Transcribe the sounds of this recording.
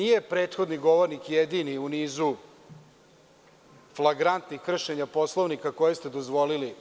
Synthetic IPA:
nije̞pɾe̞ːt̪xo̞d̪niɡo̞ʋo̞ɾnikjed̪iniuniːzu | flˠaɡɾant̪nixkr̩ʃeɲapo̞slˠoʋnikako̞jest̪ed̪ozʋo̞lili

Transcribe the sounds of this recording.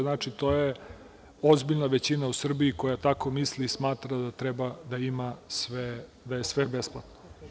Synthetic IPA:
znat͡ʂit̪o̞je | o̞zbiʎnaʋet͡ɕinausr̩biikojat̪akomislismaːt̪ɾad̪at̪ɾɛbad̪aimasʋe | d̪ajesʋebesplˠat̪no

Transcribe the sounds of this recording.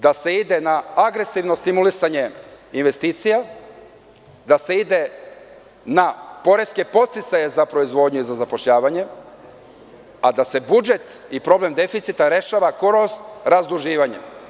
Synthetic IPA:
d̪ase̞id̪e̞naaɡɾe̞siʋno̞st̪imulisaɲe̞ | inʋe̞st̪iːt̪sija | d̪ase̞id̪e̞ | napo̞ɾe̞ske̞po̞st̪it̪saje̞zapɾo̞izʋo̞ːd̪ɲuizazapoʃʎaːʋaɲe̞ | ad̪ase̞bud͡ʒe̞t̪ipɾo̞blemd̪e̞fit̪sit̪aɾe̞ʃaːʋakoɾosɾazd̪ɾuʒiːʋaɲḛ

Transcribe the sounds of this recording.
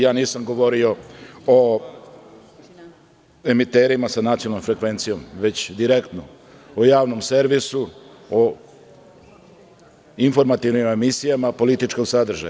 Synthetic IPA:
jaːniːsamɡo̞ʋo̞ɾio̞o | e̞mit̪eɾimasanat̪ionalnomfɾe̞kʋe̞nt̪sijo̞mʋe̞t͡ɕd̪iɾe̞kt̪no | ojaːʋno̞mse̞ɾʋisu | o | info̞ɾmat̪iʋnime̞misijamapo̞lit̪it͡ʃko̞ɡsad̪r̩ʒa̰j

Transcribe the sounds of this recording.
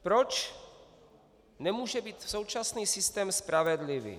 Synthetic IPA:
pɾo̞t͡ʃ | nɛmuːʒɛbiːt̪so̞wt͡ʃasniːsɪst̪ɛːmspɾavɛdlɪvḭː

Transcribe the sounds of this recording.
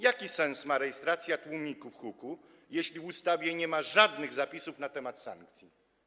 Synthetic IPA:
jakʲisɛ̃ñsmaɾɛjɛst̪ɾat̪sʲjat̪wumʲikufxuku | jeɕlʲivust̪avʲjɛɲɛmaʐad̪nɘɣzapʲisufnat̪ɛmat̪sa̰ŋk̚t̪sʲji

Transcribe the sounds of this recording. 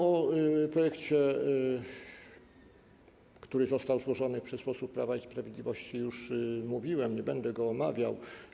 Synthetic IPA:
ɔpɾɔjɛkt͡ɕɛ | kt̪uɾɘzɔst̪awzwɔʐɔnɘpʂɛspɔsupːɾavaispɾavʲed̪lʲivɔɕt͡ɕijuʂmuvʲiwɛmɲɛbɛnd̪ɛɡɔːmavʲjaw

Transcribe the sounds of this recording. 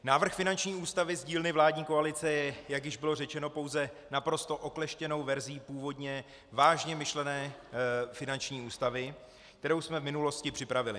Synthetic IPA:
naːvr̩xfɪnant͡ʃɲiːuːst̪avɪzɟiːlnɪvlaːdɲiːko̞alɪt͡sɛjɛjaɡjɪʒbɪlo̞rɛt͡ʃɛno̞po̞wzɛnapɾo̞st̪o̞ʔo̞klɛʃcɛno̞wvɛɾziːpuːvo̞dɲɛ | vaːʒɲɛmɪʃlɛnɛː | fɪnant͡ʃɲiːuːst̪avɪ | kt̪ɛɾo̞wsmɛvmɪnulo̞scɪpr̥ɪpɾavɪlɪ

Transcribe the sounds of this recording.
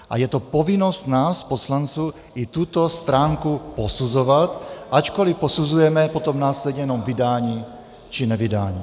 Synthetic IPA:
ʔa̰jɛt̪o̞po̞vɪno̞st̪naːspo̞slant͡suː | ʔɪt̪ut̪o̞st̪ɾaːŋkupo̞suzo̞vat̪ʔat͡ʃko̞lɪpo̞suzujɛmɛpo̞t̪o̞mnaːslɛd̪ɲɛjɛno̞mvɪdaːɲiː | t͡ʃɪnɛvɪdaːɲiː

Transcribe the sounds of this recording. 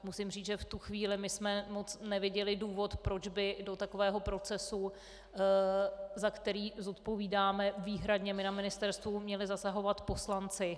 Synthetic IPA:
musɪmriːt͡sʒɛft̪uxviːlɪmɪsmɛmo̞t͡snɛvɪɟɛlɪduːvo̞t̪pɾo̞d͡ʒbɪdo̞t̪ako̞vɛːɦo̞pɾo̞t͡sɛsu | zakt̪ɛɾiːzo̞t̪po̞viːdaːmɛviːɦɾadɲɛmɪnamɪnɪst̪ɛɾst̪vumɲɛlɪzasaɦo̞vat̪po̞slant͡sɪ

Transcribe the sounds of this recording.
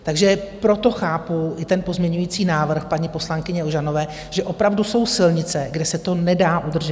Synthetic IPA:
t̪aɡʒɛpɾo̞t̪o̞xaːpuɪt̪ɛnpo̞zmɲɛɲujiːt͡siːnaːvr̩xpaɲipo̞slaŋkɪɲɛoʒano̞vɛː | ʒ̥ɛʔo̞pɾavduso̞wsɪlɲɪt͡sɛɡdɛsɛt̪o̞nɛdaːʔud̪r̩ʒɛ

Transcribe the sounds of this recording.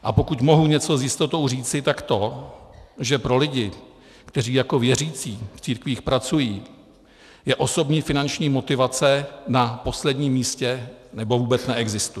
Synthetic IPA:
ʔapo̞kucmo̞ɦuɲɛt͡so̞zjɪst̪ot̪o̞wriːt͡sɪt̪akt̪o̞ | ʒɛpɾo̞lɪɟɪ | kt̪ɛriːjako̞vjɛr̝iːt͡siːft͡siːɾkviːxpɾat͡sujiː | jɛʔo̞so̞bɲiːfɪnant͡ʃɲiːmo̞t̪ɪvat͡sɛnapo̞slɛdɲiːmːiːscɛnɛbo̞vuːbɛt͡snɛʔɛɡzɪst̪u

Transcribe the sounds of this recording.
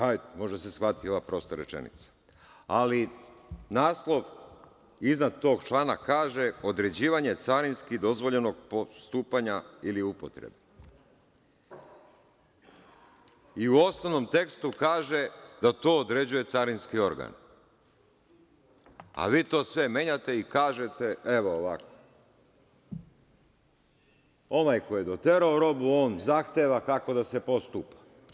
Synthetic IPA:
ajmo̞ʒd̪asesxʋat̪io̞ʋapɾo̞ːst̪oɾḛt͡ʃḛnḭt̪sḁ | alinaːslˠo̞ʋ | iznad̪̚t̪o̞ːɡt͡ʃlˠaːnakaːʒe̞o̞d̪ɾe̞d͡ʑiːʋaɲe̞t̪saɾinskid̪o̞zʋoʎenoɡ̚post̪uːpaɲailiupot̪ɾḛbe | iuo̞st̪oʋno̞mt̪e̞kst̪ukaːʒe̞d̪at̪o̞ːod̪ɾe̞d͡ʑuje̞t̪saɾinskio̞ɾɡa̰n | a̰ʋiːt̪o̞ːsʋe̞me̞ɲat̪e̞ikaːʒe̞t̪e̞eʋoːʋako̥ | o̞najko̞jed̪o̞t̪e̞ɾaoɾo̞buo̞ːnzaxt̪eːʋakako̞d̪asepo̞st̪upḁ

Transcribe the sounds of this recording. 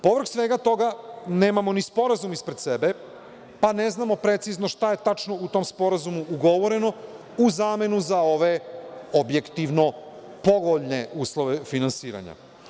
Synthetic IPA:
po̞ʋɾ̩ksʋeɡat̪o̞ɡaneːmamo̞nispo̞ɾazumispɾed̪sebe | pane̞znamo̞pɾe̞t̪sizno̞ʃt̪aje̞t̪at͡ʃno̞ut̪o̞mspo̞ɾazumuʔuɡo̞ʋo̞ɾe̞no̞ | uzaːme̞nuzao̞ʋe̞obje̞kt̪iʋno̞ | po̞ɡoʎne̞uːslˠoʋefinansiːɾa̰ɲa̰

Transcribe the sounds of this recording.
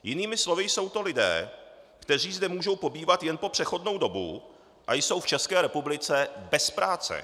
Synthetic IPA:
jɪniːmɪslovɪjso̞wt̪o̞lɪdɛ̰ːkt̪ɛr̝iːzdɛmuːʒo̞wpo̞biːvat̪jɛnpo̞pr̝̥ɛxo̞dno̞wdo̞bṵ | ʔajso̞wft͡ʃɛskɛːɾɛpublɪt͡sɛbɛspɾaːt͡sɛ̰

